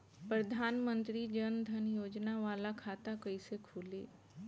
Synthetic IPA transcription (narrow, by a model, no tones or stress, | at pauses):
pɾɐd̪ʱaːnmə̃nt̪ɾid͡ʒənd̪ʱɐnjoːd͡ʒnaʋaːlakʰaːt̪akɐisekʰuːlḛː